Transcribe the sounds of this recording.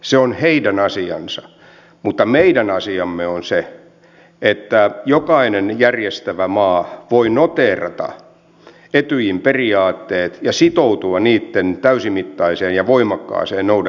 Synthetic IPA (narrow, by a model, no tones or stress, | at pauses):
seonheidænɑsiɑ̰nsɑ | mut̪ːɑmeidænɑsiɑmːeonse | et̪ːæjokɑinenjærjest̪æʋæmɑːʋoinot̪eːrɑ̰t̪ɑ̰ | et̪yjimperiɑːt̪ːeːt̪jɑsit̪out̪uɑniːt̪ːent̪æysimit̪ːɑiseːnjɑʋoimɑkːɑ̰ːseːnnoudɑ